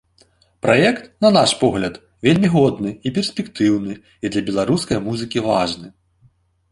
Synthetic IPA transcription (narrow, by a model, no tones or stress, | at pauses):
pɾajɛkt̪nɐnaʂpɔɣlʲɐt̪ | vʲelʲmʲiɣɔd̪nɨipʲɛrsʲpʲɛkt̪ɨwnɨ | id̪lʲɐbʲɛlˠaɾuskɐjmuzɨkʲivaʐnɨ